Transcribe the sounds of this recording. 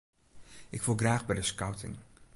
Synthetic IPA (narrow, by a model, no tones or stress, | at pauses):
ʔɪkfulˠɡraːɣbɛjdəskawtʰɪ̰ŋ